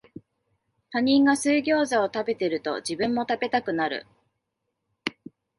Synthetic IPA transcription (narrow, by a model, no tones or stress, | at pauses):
paɲ̟ĩŋɡasɨːɡʲo̞ːzao̞t̪abe̞t̪e̞ɾɯ̟t̪o̞̰d͡ʑibɯ̟̃mːo̞t̪abe̞t̪akɯ̟naɾɯ̰